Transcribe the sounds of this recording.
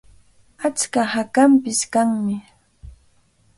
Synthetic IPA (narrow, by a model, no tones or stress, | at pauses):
at͡ʃkahakampɪskaŋmɪ